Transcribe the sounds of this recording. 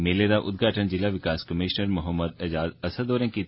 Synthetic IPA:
meːleɾaʔʊ̰d̪̚ɡʱaːʈənd͡ʒɪlaʋɪkaːskɐmiːʃnəɾmɐɦəmːəd̪ɐd͡ʒaːd̪ɐsəd̪oːɾẽki

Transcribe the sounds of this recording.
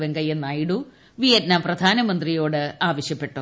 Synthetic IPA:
ʋeŋɡɐjenːajɽu | ʋijɐtnaːprɐd̪ʱaːnɐmɐnd̪rijo̞ːɽɨaːʋɐɕjɐpːe̞ʈːu

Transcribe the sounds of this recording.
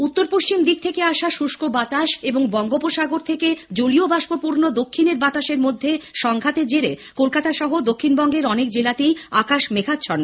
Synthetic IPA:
ut̪ːoɾpoʃt͡ɕimd̪ik̚t̪ʰekeaʃaʃuʃkobat̪aʃeboŋbɔŋɡopoʃaɡoɾt̪ʰeked͡ʑoliobaʃbopuɾnod̪okʰːineɾbat̪aʃeɾmod̪ʱːeʃɔŋɡʱat̪ed͡ʑeɾekolkat̪aʃɔɦod̪okʰːinbɔŋɡeɾɔnek̚d͡ʑelat̪ejakaʃmekʰat̪ːɕʰɔɾn

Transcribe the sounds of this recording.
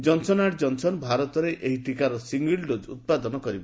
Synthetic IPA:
d͡ʒɔnsɔnaʈd͡ʒɔnsɔnbʱaɾɔt̪ɔɾeʔeɦiʈikaɾɔsiŋɡilɖod͡ʒṵt̪̚pad̪ɔnɔkɔɾibɔ

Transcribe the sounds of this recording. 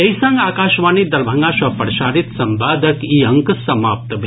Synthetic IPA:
ɐisãŋɡaːkaːʃʋaːniːd̪ɐɾbʱɐŋɡaːʃʋɐpɐɾʃaːɾit̪sɐmbaːd̪ʱəkiːɐŋksɐmaːp̚t̪bʱ

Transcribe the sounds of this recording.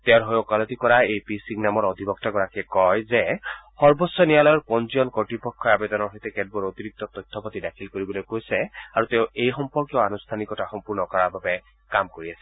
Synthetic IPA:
tɛʊɹɦɔjɔkalɔtikɔɹaepisiŋnamɔɹɔd̪ʱibɔk̚taɡɔɹakɛkɔjzɛxɔɹbɔsːɔnijalɔjɔɹpɔnziɔnkɔɹtɹipɔkʰːɔabɛdɔnɔɹɦojtɛkɛd̚bɔɹot̪iɹik̚tɔt̪ɔjt̪ʰːɔpatidakʰilkoɹibɔlojkojsɛaɹutɛʊejxɔmpɔɹkijɔanust̪ʰanikɔtaxɔmpuɹnɔkɔɹababɛ | kamkoɹiasɛ̥

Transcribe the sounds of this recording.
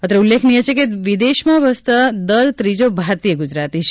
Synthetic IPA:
ət̪ɾeulːekʰnijət͡ʃʰekeʋid̪eʃmãʋəst̪ad̪əɾt̪ɾid͡ʒobʱaɾt̪ijəɡud͡ʒɾat̪iʃ

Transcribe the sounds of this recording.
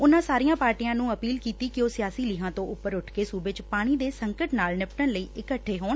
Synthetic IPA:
ʊnãːsaːɾijãːpaːɾʈijãːnũːəpiːlkiːt̪iːkɪoːsɪjaːsiːliːɦãːt̪õːʔʊpːəɾʊʈʰkeːsuːbeːt͡ʃpaːɽ̃iːd̪eːsəŋkəʈnaːlnɪpʈənləiːʔɪkəʈʰːeːɦoːn

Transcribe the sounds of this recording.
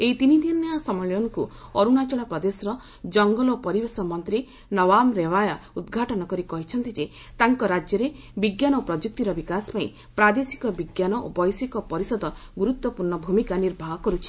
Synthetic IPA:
eit̪inid̪injasɔmɔɭjɔŋkuɔɾunat͡ʃɔɭapɾɔd̪esɔɾɔ | d͡ʒɔŋɡɔlɔpɔɾibesɔmɔnt̪ɾi | nɔbamɾeβajaud̪ɡʱaʈɔnɔkɔɾikɔɦit͡ʃʰɔnt̪id͡ʒe | t̪aŋkɔɾad͡ʒjɔɾe | biɡjanɔopɾɔd͡ʒuk̚t̪iɾɔbikasɔ̥paḭ̃ | pɾad̪esi̥kɔbiɡjanɔʔo̰bɔjsikɔpɔɾisɔd̪ɔɡuɾut̪wɔpuɾɳɔbʱumikaniɾbʱaɦɔkɔɾut͡ʃʰi̥

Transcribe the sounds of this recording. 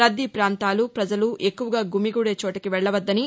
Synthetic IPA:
ɾɐd̪ːipɾaːnt̪aːlupɾɐd͡ʒɐluʔe̞kːuʋɐɡaːɡumiɡuːɽeːt͡ʃoːʈɐkiʋɛɭːɐʋɐd̪ːɐni

